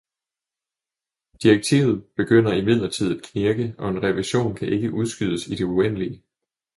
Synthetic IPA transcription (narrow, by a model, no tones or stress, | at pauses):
d̥ieɡ̥̚t͡sʰḭːʊð̞̩ˠb̥e̝ɡ̥øn̰ɐimið̞̰ˠlɐt͡sʰið̞̰ˠæd̥kʰniɐɡ̥əɒ̽e̝nʁɛʋiɕo̝̰ːnkʰæʔe̝ɡ̥əʔuð̞ˠsɡ̥yð̞ˠəsid̥e̝uen̰liə